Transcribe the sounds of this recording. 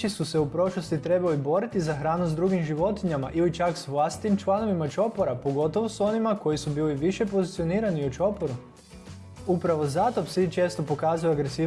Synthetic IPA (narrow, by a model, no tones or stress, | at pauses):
isuse̞upɾo̞ʃlˠo̞st̪it̪ɾe̞balibo̞ɾit̪izaxɾaːnuzd̪ɾuɡimʒiʋo̞t̪iɲamaʔilit͡ʃaksʋlˠast̪i̥t̪imt͡ʃlˠano̞ʋimat͡ʃo̞poɾapo̞ɡo̞t̪o̞ʋoso̞nimako̞jisubiːliʋiʃe̞po̞zit̪sio̞niːɾaniut͡ʃo̞po̞ɾu | upɾaʋo̞zat̪o̞bsit͡ʃe̞ːst̪o̞po̞kaːzujoaɡɾesiː